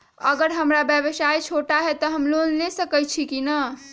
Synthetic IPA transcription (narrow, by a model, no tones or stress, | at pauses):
ə̰ɡəɾɦəmɾabjəbəsajt͡ʃʰoʈaɦet̪ɔɦəmlonlesəkəjt͡ʃʰikinə